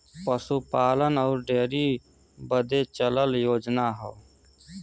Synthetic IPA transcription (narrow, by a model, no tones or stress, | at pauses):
pəsupaːlənɔːɾɖeːɾi | bəd̪et͡ʃələljoːd͡ʒnaɦɔː